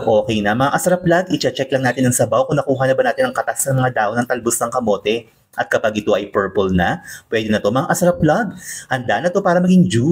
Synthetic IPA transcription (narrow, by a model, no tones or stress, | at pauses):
ʔo̞ːkɛjnɐmɐŋaʔɐsɐɾɐplaɡʔɪt͡ʃɛt͡ʃɛklɐŋnaːt̪ɪnɐŋsɐbawkʊŋnɐkuːɦɐnɐbɐnaːt̪ɪnɐŋkɐt̪asnɐŋmɐŋad̪aːʔonɐŋt̪ɐlbosnɐŋkɐmo̞ːt̪ɛ | ʔɐt̪̚kɐpaɡʔɪt̪o̞ʔɐjpɛɹpolnɐpwɛd̪ɛnɐt̪o̞mɐŋaʔɐsɾɐplɐɡ̚hɐnd̪aːʔɐnɐt̪o̞paːɾɐmɐɡiŋd͡ʒu